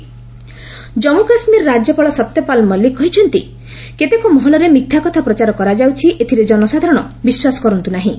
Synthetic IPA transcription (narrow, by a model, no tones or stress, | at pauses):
d͡ʒɔmukasmiɾɔɾad͡ʒjɔpɔɭɔsɔt̪ːjɔpalmɔlːikɔɦit͡ʃʰɔnt̪i | ket̪ekɔmɔɦɔlɔɾemit̪ʰːakɔt̪ʰapɾɔt͡ʃaɾɔkɔɾad͡ʒawt͡ʃʰiʔet̪ʰiɾed͡ʒɔnɔsad̪ʱaɾɔɽ̃ɔ | biswasɔ̥kɔɾɔnt̪unaɦĩ